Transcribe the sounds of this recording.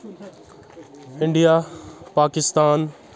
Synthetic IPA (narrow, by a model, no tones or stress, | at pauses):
ɪ̃ɳɖijapaːkɪst̪aːn